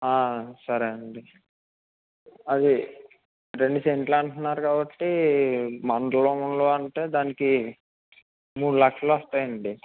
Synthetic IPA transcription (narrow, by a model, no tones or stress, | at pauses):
aːsɐɾɐɐɳɖi | ɐd̪i | ɾe̞ɳɖuse̞ɳʈluɐɳʈunːaːɾukaːbɐʈːi | mɐnɖ̪ɐlounloːɐɳʈeːd̪aːniki | muːɽulɐkʂɐloʋɔst̪aːjɐɳɖi